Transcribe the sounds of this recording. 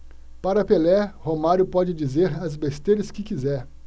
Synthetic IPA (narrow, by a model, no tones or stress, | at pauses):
paɾɐpelɛhomaɾjʊpɔd͡ʒɪd͡ʒizeɾɐzbest̪eɾɐskɪkizɛɾ